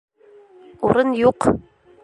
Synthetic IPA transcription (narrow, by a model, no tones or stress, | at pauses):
uɾɤnjuq